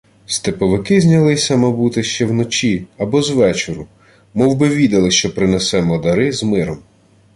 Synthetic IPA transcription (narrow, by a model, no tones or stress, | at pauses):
st̪epɔʋɪkɪzʲnʲɐlˠɪsʲɐmɐbut̪ɪʃt͡ʃɛwnɔt͡ʃʲiɐbɔzʋɛt͡ʃɔɾʊ | mɔwbɪʋʲid̪ɐlˠɪʃt͡ʃɔpɾɪnɛsɛmɔd̪ɐɾɪzmɪɾɔm